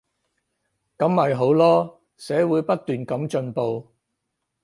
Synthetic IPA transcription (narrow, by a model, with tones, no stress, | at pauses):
kɐ˨˥mːɐ˨jɦo˨˥wlɔː˥ | sɛː˨˥wuː˨˧jpɐ˥t̚t̪ːyː˨nkɐ˨˥mt͡ʃɵ˧npo˨˧w